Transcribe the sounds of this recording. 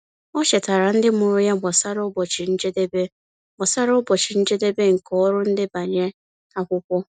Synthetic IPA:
ɔ˦ʃe˨ta˨ɾa˨n̩˦dɪ˦mʊ˨ɾʊ˦ja˦ɡ͡bɔ˨sa˦ɾɔ˦bɔ˨t͡ʃɪ˨n̩˦d͡ʒe˦de˦be˦ | ɡ͡bɔ˨sa˦ɾɔ˦bɔ˨t͡ʃɪ˨n̩˦d͡ʒe˦de˦be˦ŋ̩˨kɔ˦ɾʊ˦n̩˦dɪ˦ba˨ɲe˦ | a˦kʷʊ˦kʷɔ˦

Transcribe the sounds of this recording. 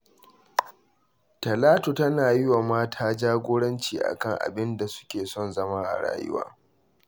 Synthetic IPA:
tɐ˨laː˦to˨tɐ˦naː˨jɪ˦wa˨maː˦tʰaː˦d͡ʒaː˦ɡʷoː˦ɽɐ˦nt͡ʃiː˨ʔa̰˨kɐ˦ŋʔa̰˨bɪ˦nda˨sʊ̥˦kʲeː˨sɔ˦˨nzɐ˦ma˦ʔa̰˨ɽa̰ː˦jʊ̰˦wa̰ː˦

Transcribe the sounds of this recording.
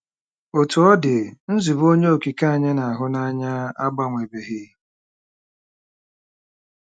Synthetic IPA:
o˨tu˨ɔ˦dɪ˨n̩˦zi˨bo˦ɲe˦o˨ki˨ka˦a˨ɲe˦na˨a˨ɦʊ˦na˦ɲa˦a˦ɡ͡ba˨ŋʷe˨be˨ɦi˦

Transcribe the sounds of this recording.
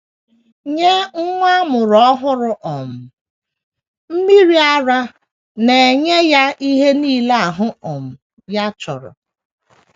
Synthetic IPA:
ɲe˦ŋ̩˦ŋʷa˦mʊ˨ɾɔ˦ɦʊ˦ɾʊ˨ʔɔ˨m̩˨ | m̩˦mi˦ɾi˦a˦ɾa˦ | ne˨ɲe˦ja˦ʔi˦ɦe˦niː˦le˦a˨ɦʊ˦ɔ˨m̩˨ | ja˦t͡ʃɔ˨ɾʊ̰˨

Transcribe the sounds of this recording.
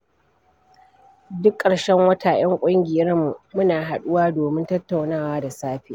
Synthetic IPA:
dʊ˦kʼːɐ˨ɽʃɛ˦ŋwɐ˦tʰaː˨j̰ɐ˦ŋkʷʼʊ˦ŋɡʲɪ˨jɐ˦rmu˨mʊ˦naː˨ɦa˨ɗʊ˦waː˦doː˨mɪ˦ntɐ˦tːa˨wnaː˦˨waː˦da˨saː˦ɸiː˨

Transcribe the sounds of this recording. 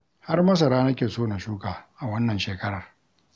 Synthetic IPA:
ha˦rmɐ˦s̬ɐ˨ɾaː˦nɐ˦kʲeː˨soː˦na˨ʃuː˦kaː˨ʔa˨wɐ˦nːɐ˨nʃeː˨kɐ˦ɽɐ˨r

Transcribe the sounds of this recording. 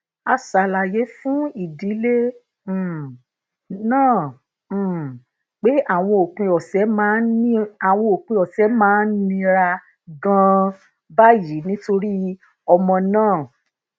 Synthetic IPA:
a˧sa˨˦la˨je˨˦fũ˦i˨di˨˦lẽ˦˨ | nãː˦˨ | k͡pe˦ʔa˦˨w̃ɔ̃˧o˨k͡pũ˧ɔ˨sɛ˨˦mãː˦nĩ˦a˨w̃ɔ̃˧o˨k͡pĩ˧ɔ˨sɛ˨˦mãː˦nĩ˧ɾa˧ | ɡã˧ | ba˦ji˨˦nĩ˦to˧ɾi˦ | ɔ˧mɔ̃˧nãː˦˨

